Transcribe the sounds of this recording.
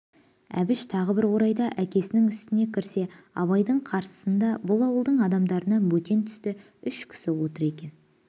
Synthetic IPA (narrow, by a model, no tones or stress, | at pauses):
æ̰bɪʃt̪ʰɑʁəbɪɾwo̞ɾɑjd̪ɑʔækʲe̞sɪnɪŋʏst̪ɪne̞kʲʰɪɾse̞ɑ̰βɑjd̪əɴqʰɑɾsə̥sənd̪ɑbʊlˠɑwəlˠd̪əɴɑd̪ɑmd̪ɑɾənɑbɵt̪e̞nt̪ʰʏ̥st̪ɪ | ʏʃkʲʰɪ̥sɪwo̞t̪əɾe̞kʲe̞n